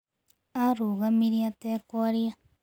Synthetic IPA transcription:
aɾuɣamĩɾiat̪ekoaɾia

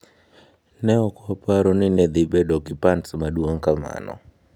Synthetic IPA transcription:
nɛɔkɔapaɾɔninɛd̪ibɛɗɔkipansmaɗuaŋkama̰nɔ̰

